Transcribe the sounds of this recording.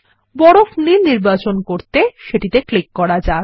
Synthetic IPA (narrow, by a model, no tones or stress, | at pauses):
bɔɽofniniɾbat͡ɕonkoɾt̪eʃeʈit̪eklikːɔɾad͡ʑa